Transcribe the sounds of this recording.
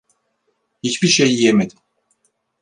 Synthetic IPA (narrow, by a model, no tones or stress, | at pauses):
hit͡ʃbiɾʃejjemed̪i